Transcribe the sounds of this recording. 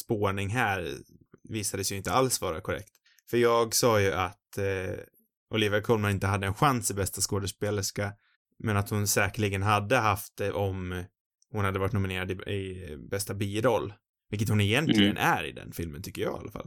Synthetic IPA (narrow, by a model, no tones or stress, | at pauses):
spoːɳɪŋɦæːɾviːsad̪əsjɵɪnt̪əalsvɑːɾakʰɔɾɛ̰kt̪ | fœɾjɑːɡsɑːjɵʔat̪ | ʔɔliːvakʰɔlmaɾɪnt̪əɦad̪ːəɛnɧansɪbɛst̪askoːd̪əʂpeːləʂka | mɛnat̪hʊnsɛːkəɭiɡənɦad̪ːəɦaft̪̚d̪ɛʔɔm | hʊnhad̪ːəvaɾɪʈ̪nʊmɪneːɾad̪ɪɪbɛst̪abiːɾɔlː | vɪkːət̪hʊnɛjɛnt̪ʰlɪɡənʔæɾɪ̰d̪ɛ̰nfɪlmənt̪ʏkːəɾjɑ̰ːa̰lafa̰l